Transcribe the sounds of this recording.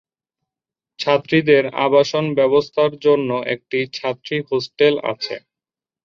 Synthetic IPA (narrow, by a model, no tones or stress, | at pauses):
t͡ɕʰat̪ːɾid̪eɾa̰baʃonbɛβost̪ʰaɾd͡ʑonːoʔḛk̚ʈit͡ɕʰat̪ːɾihosʈela̰t͡ɕʰḛ